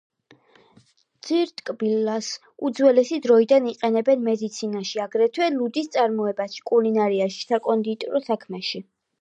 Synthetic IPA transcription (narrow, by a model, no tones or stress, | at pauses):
d̪z̥iɾt̪ʼkʼbilːas | ud̪zwɛlɛsid̪ɾɔid̪aniqʼɛnɛbɛnmɛd̪it̪sʰinaʃiaɡɾɛt̪ʰwɛlud̪ist̪sʼaɾmɔɛbaʃi̥kʼulinaɾiaʃi̥sakʼɔnd̪it̪ʼɔɾɔsakʰmɛʃi